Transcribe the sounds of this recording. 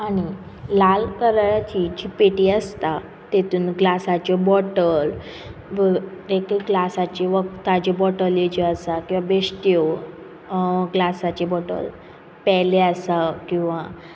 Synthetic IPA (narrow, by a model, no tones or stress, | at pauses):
aɽ̃i | lalkəɾjat͡ɕid͡ʑiːpeʈiːəst̪a | t̪et̪uːnɡlasat͡ɕɔbɔʈəl | ɾekeɡlasat͡ɕeʋək̚t̪ad͡ʑebɔʈəljet͡ɕeəsakĩw̃ʋabesʈ̪io | ɡlasat͡ɕebɔʈə̰l | pɛleasakĩw̃ʋa